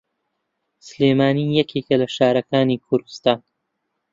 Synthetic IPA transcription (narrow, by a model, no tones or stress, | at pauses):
sɨleːmaːniːjɛkʰeːkɐlɐʃaːɾɐkaːniːkʰʊɾd̪ɨst̪aːn